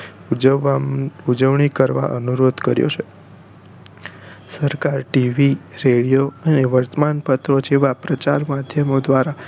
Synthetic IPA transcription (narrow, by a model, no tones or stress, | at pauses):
ud͡ʒəʋɳikəɾʋa̰ʔənuɾod̪kəɾjo̰t͡ʃʰe | səɾkaɾʈiʋiɾeɭijoəneʋəɾt̪əmanpət̪ɾod͡ʒeʋapɾət͡ʃaɾmad̪ʱjəmod̪ʋaɾa